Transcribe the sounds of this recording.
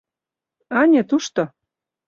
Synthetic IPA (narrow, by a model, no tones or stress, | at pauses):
ɑnʲet̪uʃt̪o